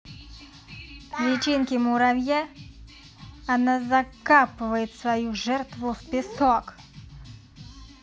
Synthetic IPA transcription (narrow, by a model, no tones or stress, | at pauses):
klʲit͡ʃinkʲɪmʊɾawjɛ | nazɐkapɪʋɐjɪt̪ʲsʋɐjuʒɛrt̪ʋʊwpʲɪsɔk